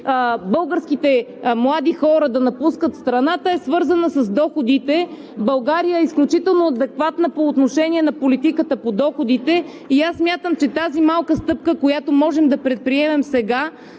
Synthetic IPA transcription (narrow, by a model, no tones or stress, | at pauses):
bɤlˠɡəɾskit̪ɛmlˠad̪ixɔɾəd̪ɐnɐpuskət̪st̪ɾɐnat̪əɛsvɤɾzənəsɐzd̪ɔxod̪it̪ɛ | bɐlˠɡaɾijəɛisklʲut͡ʃit̪ɛlˠnoɐd̪ɛkvat̪nəpoːt̪noʃɛniɛnɐpolit̪ikət̪əpod̪ɔxod̪it̪ɛ | iasːmʲjat̪əmt͡ʃɛt̪azimalˠkəst̪ɤp̚kəkojat̪omɔʒɛmd̪ɐpɾɛt̪̚pɾiɛmɛmsɛɡa